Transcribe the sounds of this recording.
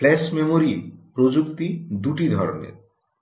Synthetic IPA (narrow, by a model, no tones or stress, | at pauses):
plɛsmemoɾipɾod͡ʑukt̪id̪uʈid̪ʱɔɾo̰nḛɾ